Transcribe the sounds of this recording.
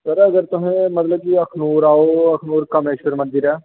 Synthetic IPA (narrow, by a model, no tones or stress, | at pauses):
səɾəɡəɾt̪ʊɦẽmət̪ləb̚kiəkʰnuːɾaːoːəkʰnuːɾkəmeːʃəɾmə̃nd̪ɪɾɛː